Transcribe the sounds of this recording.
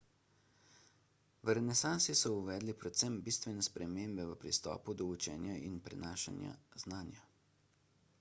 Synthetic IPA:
ʋəɾɛnɛsansisɔuʋɛːd̪lipɾɛt̪sɛmbist̪ʋɛnɛspɾʔɛmeːmbɛʋəpɾist̪ɔ̰ːpud̪ɔut͡ʃɛ̰ːnjainpɾɛ̰naːʃa̰nja̰znaːnja

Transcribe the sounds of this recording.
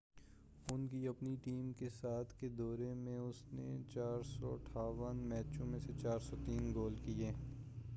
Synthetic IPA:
ʊnkiɐpniʈiːmkesaːt̪ʰked̪ɔːɾemẽʊsnḛt͡ʃaːɾsɔɐʈʰaːʋənmɛːt͡ʃõmẽset͡ʃaːɾsɔt̪iːnɡoːlkieː

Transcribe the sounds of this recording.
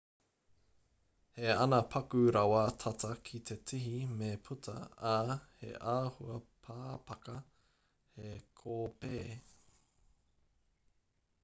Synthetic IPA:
heɐnɐpʰɐkʉɾɐwɐtʰɐtʰɐkʰit̪ʰetʰiɦimepʰutʰɐ̰ahḛʔaːhuɐpʰaːpɐkɐ | hekʰoːpeː

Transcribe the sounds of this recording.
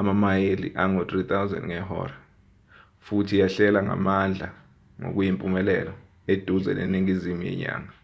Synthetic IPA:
amamajelḭʔaŋot̪ʼrit̪ʰawzɛ̰ndŋɛɦɔ̰ːra | futʰijaɬɛlaŋa̰mand͡ɮʱa | ŋo̰k̬ujimpʼumɛlɛlɔ | ed̥ʱuzɛ̰nḛniŋizimujɛ̰ɲa̰ːŋa

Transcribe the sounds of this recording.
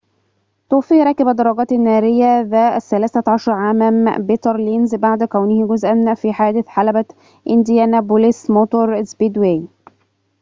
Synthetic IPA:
t̪uːfiːɾɑkːɪbæd̪ɑɾˤːɑɡɑːt̪ɪnːæːɾɪjːæðæːʔæθælæːθæʕɑʃɑɾˤʕaːmæmbet̪ɾˤlinzbaʕd̪kæwnɪhɡʊzʔænfiħaːd̪ɪθħalæbæ | ʔɪnd̪jænæbulɪsmot̪oɾˤzbid̪we

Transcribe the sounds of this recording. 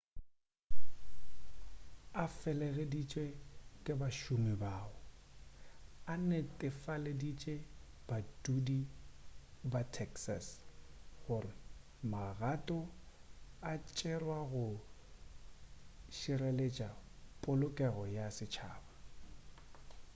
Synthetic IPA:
afɛlɛɣedit͡ʃʼekʼɪbaʃʊmɪbaːʊ | anɛtʼɪfaledit͡ʃʼe | b̥atʼudi | batʰɛksas | ɣʊrɪ | maɣatʼɔ | at͡ʃʼɛrwaɣʊ | ʃiɾelet͡ʃʼa | pʼʊlʊkʼɛɣɔjasɪt͡ʃʰa̰ːba

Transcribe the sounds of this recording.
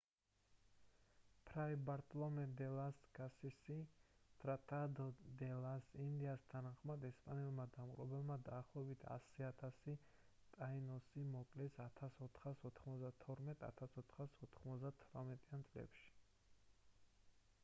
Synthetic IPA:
pʰɾaibaɾt̪ʼlɔmɛd̪ɛlasɡasisit̪ʼɾat̪ʼad̪ɔd̪ɛlasind̪iast̪ʰanaχmad̪ɛspʼanɛlmad̪amqʼɾɔbɛlˠmad̪aːχlˠɔɛbit̪ʰa̰siat̪ʰasi | t̪ʼainɔsimɔkʼlɛsat̪ʰasɔt̪ʰχasɔt̪ʰχmɔzd̪at̪ʰɔɾmɛt̪ʰʼa̰t̪ʰasɔt̪ʰχasɔt̪ʰχmɔzd̪at̪ʰɾamɛt̪ʼiant̪sʼlɛ̰pʃi̥

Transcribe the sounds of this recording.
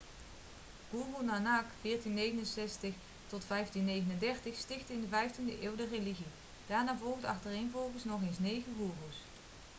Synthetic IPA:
ɡ̥uːrunanaːkfɪːɹtinːejɣənənsɛstəχ | tɔtfɛjftinːejɣənəndɛɹtəχstɪχtɪndəvɛjftindəʔɪːwdəreliɣi | d̥aːɹnaːvɔlˠɣdəɑ̰χtərejnvɔlˠɣəsnɔχejnsnejɣəɡuːruws

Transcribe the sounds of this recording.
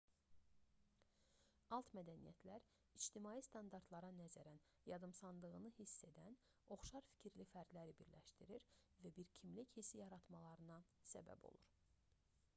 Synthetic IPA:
ɑlˠt̪mæd̪ænijæt̪ʰlæɾ | id͡ʒt̪imɑːjist̪ɑnd̪ɑɾd̪lˠɑɾɑnæzæɾæn | jɑd̪ɯmsɑnd̪ˠɯɣɯnɯhisːe̞d̪æn | o̞χʃɑɾfi̥cʰiɾlifæɾd̪læɾibiɾlæ̰ʃt̪iɾiɾvæbiɾcʰimlichisijɑɾɑt̪mɑlˠɑɾɯnɑsæ̰bæ̰bo̞̰lˠṵɾ

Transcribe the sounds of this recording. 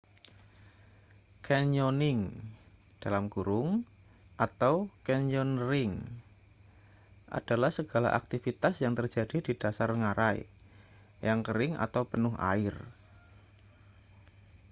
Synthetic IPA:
kɛɲonɪŋ | d̥alamɡuɾʊŋ | ʔat̪awkɛɲɔnrɪŋ | ʔa̰d̥alahsəɡ̥ala̰ʔa̰k̚t̪ifit̪asjaŋt̪ərd͡ʒadidid̥asarŋaɾaj̰ | jaŋkəɾɪŋa̰t̪awpənʊɦa̰ɪr

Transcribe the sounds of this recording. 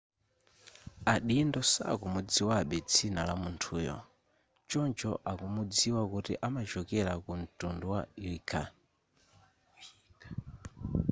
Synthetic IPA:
aɗindɔsa̰kumud͡ziwaɓɛt͡sʰinalamuntʰuːjɔ̰ | t͡ʃɔnd͡ʒɔʔakumud͡ziwakutiʔamat͡ʃɔkɛɾakun̩tunduwailikʰa

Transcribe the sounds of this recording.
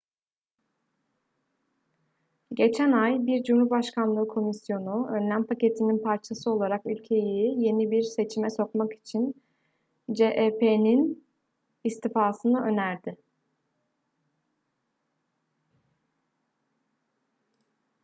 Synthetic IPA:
ɟe̞t͡ʃʰænajbiɾd͡ʒumuɾbaʃkʰanlˠɯːkʰo̞misjo̞nuønlʲænpʰace̞t̪ʰininpʰaɾt͡ʃʰasɯo̞lˠaɾakylʲcʰe̞jije̞nibiɾse̞t͡ʃʰimɛso̞kmaki̥t͡ʃʰin | d͡ʒeʔepʰenin | ist̪ʰifaːsɯnɯʔø̞næɾd̪ɪ

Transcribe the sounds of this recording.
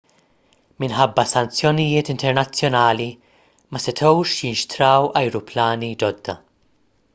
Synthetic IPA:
mɪnħɐbːɐsɐnt͡sjɔnɪjɪːt̪ɪnt̪ɛɾnɐt͡sːjɔnɐːli | mɐsɪt̪ʰɔwʃjɪnʃt̪ɾɐːwɐjɾʊplɐːnid͡ʒɔd̪ːɐ

